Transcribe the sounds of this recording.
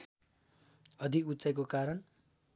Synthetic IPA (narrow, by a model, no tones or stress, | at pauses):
ʌd̪ʱikut͡sajk̬okaɾʌn